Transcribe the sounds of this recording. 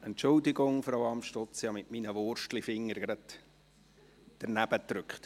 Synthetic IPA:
ɛntt͡ʃʊldɪɡʊŋfɾawɑmʃtɔt͡sjɑmɪtminəʋʊrʃtlifɪŋːəɾɡ̥ɾɑt | d̥əɾnæb̥ət̪ɾʏkχt

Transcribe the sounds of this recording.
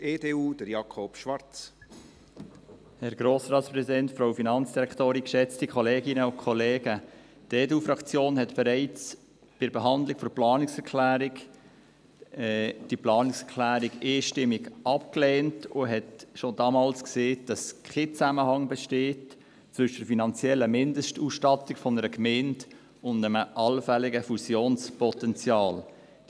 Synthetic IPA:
eːdeːuːd̥əɾjɑkʰopʃʋɑɾt͡s | hɛɾɡ̥ɾoːsrɑːtspɾɛsidɛntfɾoʊfinɑnt͡sd̥iɾɛktoːɾinkʃɛt͡stikʰχɔleːɡɪnəʊkʰχɔleːɡ̥ə | d̥eːduːfɾɑkt͡sjoːnɦɛtb̥ɛɾɛɪt͡s | b̥ɪɾbeɦɑnd̪lɪkfɔɾplɑːnɪksɛɾkʰlæːɾɪk | ɛd̥iplɑːnɪksɛɾkʰlæːɾiɡeːʃtɪmːiɡʔɑp̚kleːntʊɦɛtʃodɑːmɑːlskseːd̥ɑskʰet͡sæməhɑŋbɛʃteːt | t͡sʋʏʃəd̥əɾfinɑnt͡sjɛlːəmɪndəʃtuːsʃtɑtikfɔnəɾəkmend | ʊndəməʔɑlfɛlɪɡəfusjoːnspɔtɛnt͡sjɑːl

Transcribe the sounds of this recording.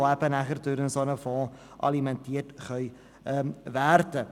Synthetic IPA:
æpənæχərtuɾənsɑnəfɑ̃ː | ʔɐ̰limɛntiətχœj | əvæːrtə

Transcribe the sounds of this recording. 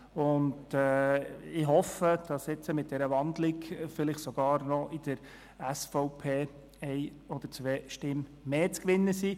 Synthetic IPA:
ʊndɛɪɦɔfəd̥ɑsɛt͡səmɪt̚d̥ɛɾəʋɑnd̪lɪkfɪlɪχtsɔɡ̥ɑːɾnɔʔɪd̥əɾ | æsfɔʊpʰeː | ɛɪ | ɔd̥̪əɾt͡sʋeːʃtɪmːeːt͡skʋɪnːəsiː

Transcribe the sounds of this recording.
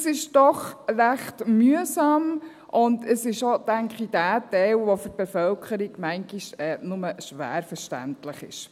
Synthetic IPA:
sɪʃd̥ɔχɾæχtmyəsɑːm | ʔʊndəsɪʃod̥æŋkχid̥æːtɛɪlʋofʏt̚b̥efœlkʰəɾiɡmæŋɡiʃɛnʊməʃʋæ̰ːɾfəʃtæ̰ntləχɪ̰ʃ

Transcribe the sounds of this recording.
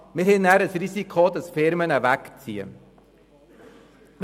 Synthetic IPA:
mɪɾɦɛnːæːɾəsɾisikʰχod̪ɑsfɪɾmənəvækt͡sḭːə̰

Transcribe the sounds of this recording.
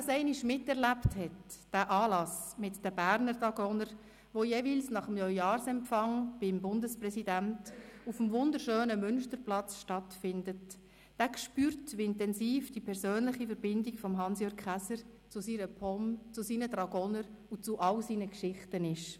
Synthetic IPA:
ɑsɛɪniʃmɪtɛɾʁlæpthɛtd̥æːʔɑːlɑsmɪtd̥əbæːɾnəɾdɑɡ̥ɔnəɾ | ʋojeːviːlsnɑχəmjɔjjɑːɾsɛmfɑŋb̥ɪmbʊndəsprɛsidæntufəmvʊndəɾʃøːnəmʏnʃtəɾplɑt͡sʃtɑtfɪndət | d̥æːkʃpyːɾtʋiɪntɛnsiːfd̥ipʰɛɾsøːnlɪχifəɾbɪndikfɔmɦɑnsjøːkχæsəɾ | t͡sʊsiːɾəpʰɔmt͡sʊsiːnədɾɑɡɔnəɾut͡sʊʔɑwsiːnəkʃɪχtənɪʃ

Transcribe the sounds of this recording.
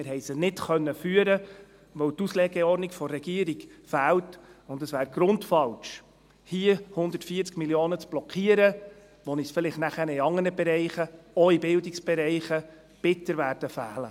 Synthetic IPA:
mɪɾɦɛjsənɪtχœnːəfyəɾə | ʋœwtuslɛɡɛɔɾnikfɔrːɛɡ̥iəɾiɡfæːltʊndəsʋæːɾɡ̥ɾʊntfɑlʃ | hiəhʊnd̪ə̥tfiːəɾt͡skmiljoːnət͡sb̥lɔkʰiəɾə | ʋɔnisfɪlɪχtnæχənəiɑŋːənəbɛɾɛɪχəɔibɪldiksb̥ɛɾɛɪχə | b̥ɪtəɾʋæːɾd̥əfæːlə

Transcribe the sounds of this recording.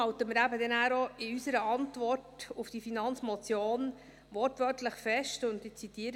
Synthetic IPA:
ɑwtəmɪɾæbədɛnæːɾɔɪysəɾəʔɑntvɔrtʊfd̥ifinɑnt͡smɔt͡sjoːn | ʋɔrtʋœɾtləχfɛʃtʊntɪt͡sitiːəɾ

